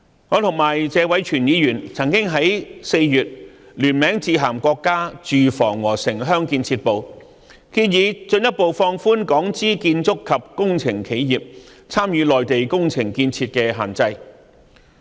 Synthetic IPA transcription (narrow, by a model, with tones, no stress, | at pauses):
ŋɔː˨˧t̪ʰʊ˨˩ŋmaː˨˩jt͡sɛː˨˧wɐ˨˥jt͡ʃʰyː˨˩njiː˨˧jyː˨˩nt͡sʰɐ˨˩ŋkɪ˥ŋɦɐ˨˥jse˧jjyː˨t̚ | lyː˨˩nmɛː˨˥ŋt͡siː˧ɦaː˨˩mkʷɔː˧kːaː˥t͡ʃyː˨fɔ̰ː˨˩ŋwɔː˨˩sɪ˨˩ŋɦœː˥ŋkiː˧nt͡sʰiː˧t̚po˨w | kiː˧njiː˨˧t͡sɵ˧njɐ˥t̚po˨wfɔː˧ŋfuː˥nkɔː˨˥ŋt͡siː˥kiː˧nt͡sʊ˥kʰːɐ˨p̚kʊ˥ŋt͡sʰɪ˨˩ŋkʰe˨˥jjiː˨p̚ | t͡sʰaː˥mjyː˨˧˥lɔː˨jt̪e˨jkʊ˥ŋt͡sʰɪ˨˩ŋkiː˧nt͡sʰiː˧t̚kɛː˧ɦa̰ː˨nt͡sɐ˧j